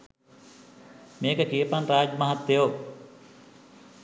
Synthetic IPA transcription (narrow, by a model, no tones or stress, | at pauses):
meːkəkiəpanraːd͡ʒəmaɦat̪ːejo